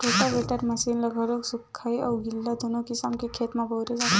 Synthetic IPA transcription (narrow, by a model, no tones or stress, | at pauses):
ʈoːʈabeʈəɾmɐsiːnlɐɡʱəɾoksʊkʰːaːiɔːɡɪlːad̪oːnõkisamkekʰeːt̪mãboːɾed͡ʒaː